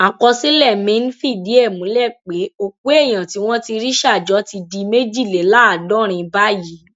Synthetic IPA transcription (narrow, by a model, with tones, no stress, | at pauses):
a˨kɔ˧si˦lɛ˦˨mĩ˨˦n̩˦fi˦˨di˨˦ɛ˦˨mũ˨˦lɛ˦˨k͡pe˨˦o˦˨k͡pu˦e˦˨j̃ã˨ti˨˦w̃ɔ̃˦ti˧ɾi˦ʃa˦˨d͡ʒɔ˨˦ti˧di˧me˦d͡ʒi˦˨le˨˦la˦a˨dɔ˦ɾ̃ĩ˧˦ba˦ji˨˦